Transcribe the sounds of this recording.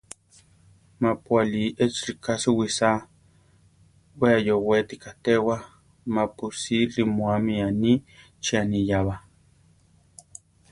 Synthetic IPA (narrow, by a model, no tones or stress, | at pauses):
mapwaliet͡srikasuwisa | weajowet̪ikat̪ewa | mapusilimoamiani | t͡ʃianijaβa